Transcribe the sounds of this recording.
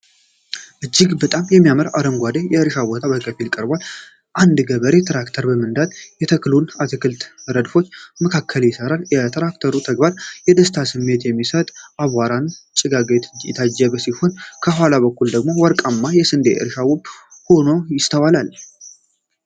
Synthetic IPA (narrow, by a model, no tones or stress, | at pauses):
ʔɨd͡ʒːɪɡbət̪ʼamjɛmːijaməɾa̰ɾəmɡʷad̪ejɛɨɾʃabot̪ʰabəkʼəfilkʼəɾbal | ʔand̪ɡəβəɾet̪ʰɾakt̪ʰəɾbəmɨnd̪ad̪jɛt̪ʰəklunat̪ʰɨkʰɨlt̪ɾəd̪fo̞t͡ʃːməkʰakʰːəljɪsəɾaljɛt̪ʰɾakt̪ʰəɾut̪ʰəɡbaɾjɛd̪əst̪ʰasɨmːe̞t̪jɛmːisət̪ʼʔaβaɾant͡ʃʼɪɡaɡet̪ʰjɪ̰t̪ʰad͡ʒːɛβsiho̞nkʰəɦwalaβəkʰːuld̪əɡmo̞wɔɾkʼamːajɛsɨnd̪eə̰ɾʃawɔbho̞nojɪst̪ʰəwalal